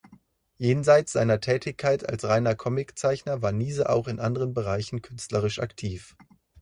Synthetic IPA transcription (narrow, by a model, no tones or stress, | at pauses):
jeːnzaɪtt͡sz̥a̰ɪnɐtʰɛːtɪçkʰːaɪtʰa̰lsʁaɪnɐkʰɔmɪkt͡saɪçnɐvaːɐniːzəʔa̰ʊχɪnʔandəʁənbəʁaɪçn̩kʰʏnstləʁ̞ɪʃa̰ktʰiːf